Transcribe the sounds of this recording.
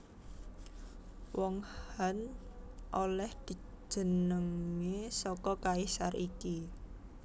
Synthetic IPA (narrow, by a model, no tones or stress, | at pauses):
wɔŋhhanʔolɛhd̪̥i̤̥ | d͡ʒʒ̥ə̤nəŋesɔkɔkaisariki